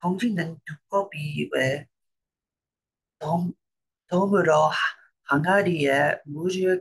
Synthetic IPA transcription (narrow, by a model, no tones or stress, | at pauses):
kʌŋd͡ʑʰinɯntuk͈ʌbiwe | tʌmɯɾʌ | haŋɦaɾiemud͡ʑie